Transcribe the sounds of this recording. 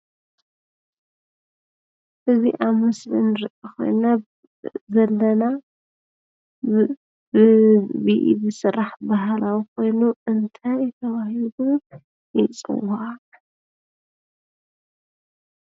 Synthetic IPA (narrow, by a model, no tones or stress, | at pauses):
ʔɨzḭʔaβmɨslinɨɾɨʔoko̞̰jna | zɐlːɐna | ɨbiʔḭbɨsɨrːaħbaɦalawikʰo̞jnuɨnt̪ʰajjɪt̪ʰɐβahilu | jit͡sʼɨ̰wa